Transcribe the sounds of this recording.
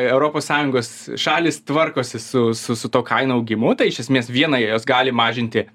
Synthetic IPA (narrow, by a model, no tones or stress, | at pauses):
ɛʊɾoːpoːssɑːjʊŋɡoːsʃɑːlʲɪst̪ʋɐrkoːsʲɪsʊsʊsʊt̪oːkʰɐɪnoːɐʊɡʲɪmʊt̪ɐɪɪʃʲɛsʲmʲeːsʋʲiɛnɐjoːsɡɑːlʲɪmɑːʒʲɪnʲt̪ʲɪ